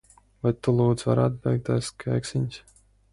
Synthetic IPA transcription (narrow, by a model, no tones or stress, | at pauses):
vajt̪ulˠuːd̪zva̰ɾaːt̪̚bʲɛjk̚t̪ajskʰajksinʲsʲ